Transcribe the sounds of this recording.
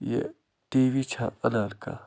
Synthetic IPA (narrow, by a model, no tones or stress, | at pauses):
jḛ | t̪iβit͡ʃʰaʔanãɾka̰